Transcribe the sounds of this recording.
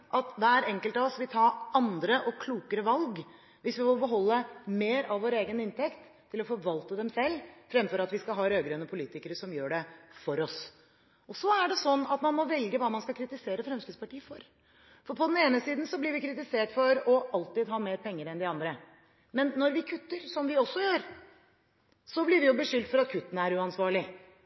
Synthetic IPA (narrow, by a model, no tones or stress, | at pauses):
ʔɑt̪d̪ɛæɾɛŋkəlt̪ɑɔsʋɪlt̪ʰɑːɑnd̪ɾəʔɔkʰluːkəɾəʋɑlɡ | ʋɪsʋɪʋɪlbəɦɔlːəmeːɾɑʋʋoːɾeːɡənɪnt̪ɛkt̪ʰːɪlɔfɔɾʋɑlt̪əd̪ɛmsɛlːfɾɛmfɔɾɑt̪ʋɪskɑɦɑːɾøːɡɾɛnːəpʰʊliːt̪ɪkəɾəʂɔmjøːɖɛfɔɾɔs | ɔsɔæɖɛsɔnːɑt̪mɑnmɔʋɛlɡəʋɑːmɑnskɑlkʰɾɪt̪ɪseːɾəfɾɛmsk̪ʉd̪spʰɑʈiːəfɔɾ | fɔɾpʰɔd̪ɛneːnəsiːd̪n̩sɔblɪɾʋɪkʰɾɪt̪ɪseːʈfɔɾɔɑlt̪ɪd̪ɦɑːmeːɾpʰɛŋːəɾɛnd̪ɪɑnd̪ɾə | mɛnːɔɾʋɪkʰʉt̪ːəɾsɔmʋɪɔsːɔjøːɾ | sɔblɪɾʋɪjʊbəʂʏld̪fɔɾɑt̪kʰʉt̪ːənəæɾʉɑnsʋɑːɭɪ